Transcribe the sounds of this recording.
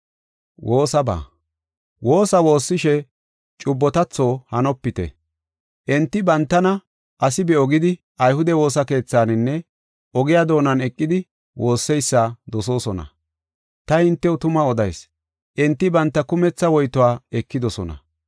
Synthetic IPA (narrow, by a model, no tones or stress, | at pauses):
wʔo̞ːsɐba̰ː | wo̞ːsɐwo̞ːsːɪʃɛ | t͡ʃʼʊbːɔt̪ɐt͡sːo̞ːhɐnɔpːɪt̪ɛ̰ | ʔɛnt̪ːɪbɐnt̪ːɐnɐ | ʔɐsɪbɛɔɡɪd̪ɪ | ʔɐjhʊd̪ɛwo̞ːsɐke̞ːt͡sːaːnɪnːɛ | ɔɡɪjad̪o̞ːnɐnɛkʼːɪd̪ɪ | wʔo̞ːsːɛjsːad̪ɔso̞ːsɔnɐ̰ | t̪ɐhɪnt̪ːɛwt̪ʊmɐɔd̪ɐjs | ʔɛnt̪ːɪbɐnt̪ːɐkʊmɛt͡sːɐwɔjt̪ɔwaːɛkːɪd̪ɔsɔnɐ̰